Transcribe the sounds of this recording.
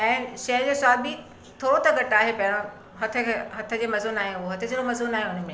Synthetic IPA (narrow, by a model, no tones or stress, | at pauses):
ɛ̃ːʃɐɦd͡ʑeːswaːbi | t̪ʰoːɽot̪ɐɡɐʈaːɦepɐ̃ɦɪɽ̃o | ɦɐt̪ʰə̆kʰeɦɐt̪ʰəd͡ʑeːmɐzuːnaːɦeoɦɐt̪ʰəd͡ʑeɽomɐzuːnaːɦeɦʊn̤mẽ